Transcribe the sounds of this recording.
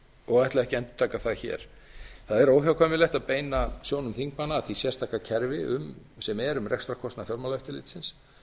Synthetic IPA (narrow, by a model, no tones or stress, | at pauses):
ɔɣajht̪laðɛhcɪɛnt̪ʏ̥t̪ʰaːkaθaðçɛ̰ːɾ̥ | θaðɛɾoːwçjawkʰajmɪlɛht̪aðpeːjnasjoːwnʏmθiŋkmanːaːθisjɛrst̪ʰahkacʰɛɾvɪʔʏm | sɛmɛɾʏmrʔɛkst̪ɾakʰɔst̪nafjɔɾmalœft̪ɪlɪ̰ːt̪sɪns